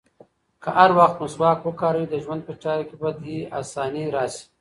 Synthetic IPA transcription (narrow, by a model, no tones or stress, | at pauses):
kəʔaɾwaxt̪muswɑːkwəkɑːɾəwid̪əʒwand̪̚pət͡ʃaːɾkebad̪jia̰ːsɑːniɾɑːsi̥